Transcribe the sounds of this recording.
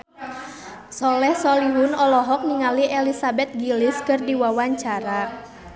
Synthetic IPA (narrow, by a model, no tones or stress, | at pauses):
sɔlɛhsɔliɦʊnɔlɔɦɔk̚niŋaliʔɛlisabɛt̪̚ɡiliskɨrdiwawaɲt͡ʃaɾa